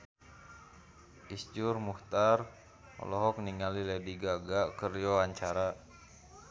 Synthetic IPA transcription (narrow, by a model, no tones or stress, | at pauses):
ʔisd͡ʒurmuht̪ar | ɔ̰lɔɦɔk̚niŋalilɛdiɡaɡakərjoaɲt͡ʃaɾa